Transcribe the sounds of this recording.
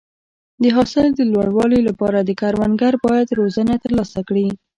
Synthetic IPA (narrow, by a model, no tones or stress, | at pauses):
d̪əɦɑsɪld̪əlwaɽwɑlolapɑɾad̪əkaɾwanɡaɾbɑjad̪ɾozənat̪əɾlɑsakɽi